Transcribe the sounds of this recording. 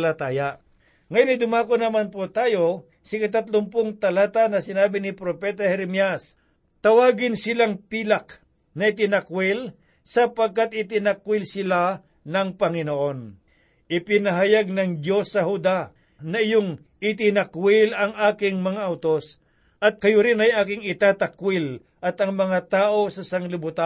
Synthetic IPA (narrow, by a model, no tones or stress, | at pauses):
lɐt̪aːja | ŋɐjonɪd̪ʊmaːkonɐmanpot̪aːjo | sɪkɐt̪̬at̪lompʊŋt̪ɐlaːt̪anɐsɪnaːbɪnɪpɾopɛːt̪ɐhɛɾɛmjas | t̪ɐwaːɡɪnsɪlaŋpiːlak | nɐɪt̪ɪnɐkwɪl | sɐpɐɡ̚kat̪̚ɪt̪ɪnɐkwɪlsɪla | nɐŋpɐŋɪnoʔo̞n | ʔɪpɪnɐɦajaɡ̚nɐŋd̪jo̞sːɐhud̪a | nɐʔɪjoŋ | ʔɪt̪ɪnɐkwɪlɐŋaːkɪŋmɐŋaʔɐwt̪os | ʔɐt̪̚kɐjʊɾɪnɐjaːkɪŋɪt̪aːt̪ɐkwɪl | ʔɐt̪ɐŋmɐŋat̪aːʔo̞sɐsɐŋlɪbʊt̪a